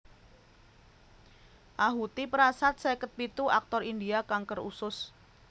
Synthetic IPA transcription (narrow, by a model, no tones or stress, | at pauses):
ʔaɦut̪ipəɾasat̪̚sɛkət̪̚pit̪uʔak̚t̪ɔrindiakaŋkərṵsʊs